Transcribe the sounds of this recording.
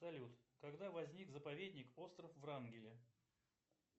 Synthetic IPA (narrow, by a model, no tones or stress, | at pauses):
ɐlʲut̪kɐɡd̪avɐzʲnʲikzəpɐvʲedʲnʲɪko̞st̪ɾəfvranɡʲɪlʲɪ